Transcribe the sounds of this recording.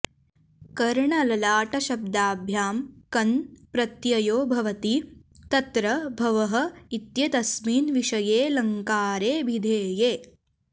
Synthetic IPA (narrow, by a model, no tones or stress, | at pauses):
kɐɾɳɐlɐlaːʈɐʃɐb̚d̪aːbʱjaːmkɐnpɾɐt̪jɐjoːbʱɐʋɐt̪it̪ɐt̪ɾɐbʱɐʋɐɦɐ̆it̪jɐt̪ɐsmiːnʋiʂɐjeːlɐŋkaːɾeːbʱid̪ʱeːjeː